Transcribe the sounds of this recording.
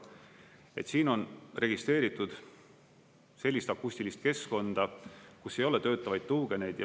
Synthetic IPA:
e̞t̪siːno̞nre̞ɡ̥ist̪ɾre̞ːɾit̪ːˑud̪̥ | se̞lʲːist̪ɑkːusʲt̪ilist̪ke̞sko̞nd̪̥ɑkusːe̞jo̞le̞t̪ø̞ːt̪ːˑɑvɑjd̪̥̚t̪uːɡ̥e̞ne̞jd̪̥jɑ

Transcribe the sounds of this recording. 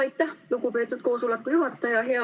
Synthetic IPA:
ɑjt̪ːɑlukupeːt̪ːˑut̪̚koːsulekːujuɦɑt̪ːɑjɑɦeɑ

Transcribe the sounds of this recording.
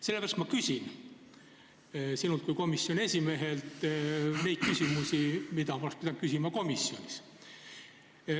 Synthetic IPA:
se̞lːeæːɾɑst̪mɑkysʲin | sinult̪kujko̞misːjo̞ne̞sʲime̞ɦe̞lt̪ne̞jt̪̚kysʲimusimid̪ɑmɑspid̪̥ɑnkysʲimɑko̞misːjo̞nʲis

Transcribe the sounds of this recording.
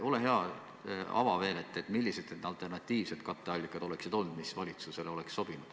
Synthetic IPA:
o̞le̞ɦe̞ɑ | ɑ̰vɑve̞ːnet̪ːˑeet̪ːmilːised̪̥ned̪̥ɑlt̪ˑe̞rnɑt̪ːˑiːv̥se̞d̪̥kɑt̪ːˑeɑlʲːikːˑɑd̪̥o̞le̞ksid̪̥o̞lnud̪̥misvɑlʲit̪suse̞leo̞le̞ksːo̞b̥inud̪̥

